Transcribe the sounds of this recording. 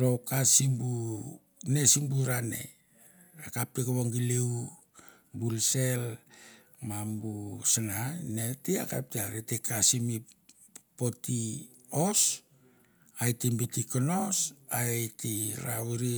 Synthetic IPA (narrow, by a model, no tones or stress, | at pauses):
ɾo̞kasimbu | ne̞simbuɾane̞̰ | akap̚tekeβoŋɡileu | bulse̞l | mambusananetia̰ka̰p̚teaɾetekasimi | po̞ti | os | ajtimbitikonosaejtiɾa̰wiɾi